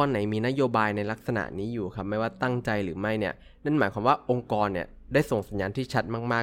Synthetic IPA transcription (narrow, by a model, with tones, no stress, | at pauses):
ɔː˧nːa˩˦jmiː˧na˦˥joː˧baː˧jna˧jla˦˥k̚sa˧na̰˨˩ʔniː˦˥juː˨˩kʰa˦˥p̚ma˥˩jwaː˥˩t̪a˥˩ŋt͡ɕa˧jɾɯː˩˦ma˥˩jni˥˩ɐ | na˥˩nmaː˩˦jkʰwaː˧mwaː˥˩ʔo˧ŋkɔː˧nːi˥˩ɐ | daː˥˩jso˨˩ŋsa˩˦njaː˧nt̪ʰiː˥˩t͡ɕʰa˦˥t̪̚maː˥˩k̚maː˥˩